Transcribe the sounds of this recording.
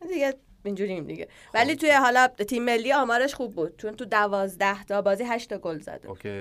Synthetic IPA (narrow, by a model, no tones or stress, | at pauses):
d̪iɡe | ind͡ʒuːɾimd̪ḭɡḛ | væliːt̪ʰujeɦɒlɒːt̪ʰimːe̞lːiɒːmɒːɾeʃxubːuːd̪̥̚t͡ʃʰont̪ud̪ævɒːzd̪æht̪ʰɒbɒːziːɦæʃt̪ɒɡolzæ̰d̪ḛe